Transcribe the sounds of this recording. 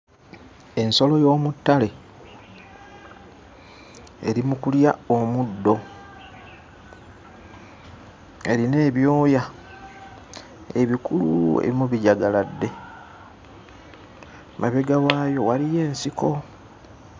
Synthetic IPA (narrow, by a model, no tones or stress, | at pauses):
e̞nso̞lo̞jo̞ːmutːale̞ | ḛɾimukuljao̞mudːo̞ | e̞ɾine̞ːβjo̞ːja | eβikuluḛβimuβiɟaɡaladːe̞ | maβe̞ɡawaːjo̞walije̞ːnsiko̞